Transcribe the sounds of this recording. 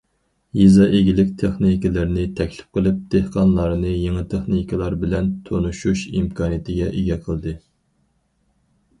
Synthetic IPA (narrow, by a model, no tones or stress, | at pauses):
jizɑʔeɡʲilɪkʲt̪ʰeχnikʲilɪɾnɪt̪ʰɛkʲlɪ̥p̚qʰəlˠɪp̚d̪̥ehqʰɑnlˠɑɾnɨjeŋɨt̪ʰeχnikʰʲilˠɑɾbɪlɛnt̪ʰonuʃuʃimkʰɑːnijɪt̪ʰɪɡʲɛʔɪɡʲɛqʰəlˠd̪ɨ